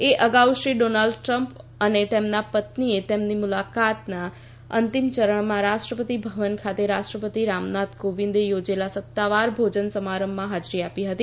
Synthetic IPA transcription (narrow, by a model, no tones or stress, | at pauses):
eʔəɡauʃɾiɖonalɖʈɾəmpənet̪emnapət̪niet̪emnimulakat̪na | ə̰nt̪imt͡ʃəɾəɳ̃mãɾaʃʈɾəpət̪ibʱəʋənkʰat̪eɾaʃʈɾəpət̪iɾamnat̪ɡoʋĩnd̪ejod͡ʒelasət̪ːaʋaɾbʱod͡ʒənsəmaɾəmːãɦad͡ʒɾiapiɦət̪i